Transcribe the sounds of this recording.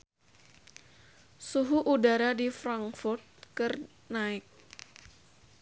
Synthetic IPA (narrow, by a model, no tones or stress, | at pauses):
suɦuʔudaɾadifɾaŋkfʊrt̪̚kɨr | naɪk̚